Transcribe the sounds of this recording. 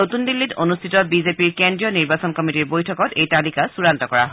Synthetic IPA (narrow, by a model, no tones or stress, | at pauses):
otundilːitʰonustʰitɔbizepiɹkendɹijɔniɹbasɔnkɔmitiɹbojtʰɔkɔtejtalikasuɹantɔkɔɹa̰ɦɔ